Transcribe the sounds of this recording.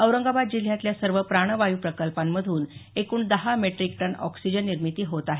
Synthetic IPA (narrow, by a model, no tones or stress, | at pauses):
əwɾəŋɡabad̪̚d͡ʑil̤jat̪ljasəɾʋəpɾaɽ̃əʋajuːpɾəkəlpamːəd̪ʱuːnekuːɳd̪əɦameʈɾikʈəɳɔ̰ksid͡ʑənːiɾmit̪iːɦot̪aɦe